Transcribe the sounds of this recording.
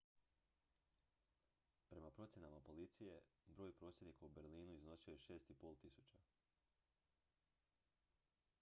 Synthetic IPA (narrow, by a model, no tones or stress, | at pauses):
pɾe̞mapɾo̞t̪sjenamapo̞lit̪sije̞bɾo̞ːjpɾo̞ːsjed̪nikaubeɾliːnuizno̞siojeʃe̞ːst̪ipo̞lˠt̪isut͡ɕa